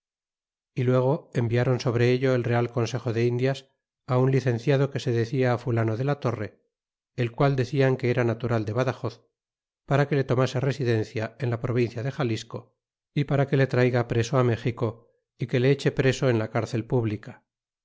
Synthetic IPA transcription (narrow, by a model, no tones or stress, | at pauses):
ilwe̞ɣ̞o̞e̞mbiaɾo̞nso̞β̞ɾe̞eʎo̞e̞lre̞alko̞nse̞xo̞ðe̞ind̪jas | aunliθẽ̞n̟θjað̞o̞ke̞se̞ðe̞θiaːfulano̞ðe̞lat̪o̞re̞ | elkwald̪e̞θiaŋke̞eɾanat̪uɾald̪e̞βaðaxo̞θ | paɾake̞le̞t̪o̞mase̞re̞siðe̞nθjae̞nlapɾo̞β̞inθjaðe̞xalisko̞ | ipaɾake̞le̞t̪ɾajɣapɾe̞soame̞xiko̞ | ike̞le̞et͡ʃe̞pɾe̞so̞enlakaɾθe̞lpuβlika